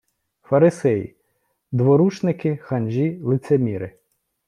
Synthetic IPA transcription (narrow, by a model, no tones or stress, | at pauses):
fɐɾɪsɛjḭ | d̪ʋɔɾut͡ʃnɪkɪxɐnʲʒʲilˠɪt̪semʲiɾɪ